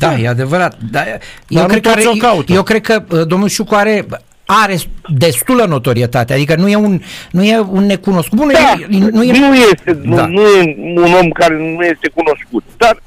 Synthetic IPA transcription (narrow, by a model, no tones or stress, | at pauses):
d̪ajead̪e̞vəɾat̪̚d̪ajewkɾekaɾeokaut̪jewkɾe̞d̪̚kəəd̪o̞mnulʃukoaɾe̞ | aɾe̞d̪e̞st̪uləno̞t̪o̞ɾiet̪at̪ead̪ikənuje̞unnujeunːe̞kuno̞skuunuanujenujest̪end̪anujeuno̞mkaɾenuje̞st̪e̞kuno̞skut̪̚d̪ar